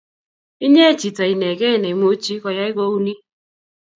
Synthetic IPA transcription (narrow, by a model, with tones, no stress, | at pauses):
i˦ɲe˦˨t͡ʃi˨ta˨i˨ne˨kɛ˦˨ne˨m˦o˦t͡ʃi˦kɔ˨ja˦i˦ko˦u˦ni˦